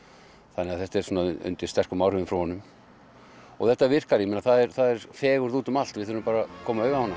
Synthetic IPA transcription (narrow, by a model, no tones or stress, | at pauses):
θanːɛaθɛht̪ɛɾ̥suːnaʏ̰nt̪ɪ̥st̪ɛr̥kʏmawrʏvɪmfɾawhɔnːʏm | ɔ̰ɣθɛht̪ːavɪr̥kaɾjimɛnaθaðɛɾθaðɛɾ̥fɛːɣʏɾðuːt̪ʏmal̥t̪vɪðθʏɾʏmpaːɾakʰɔːmaœːɥɣahɔna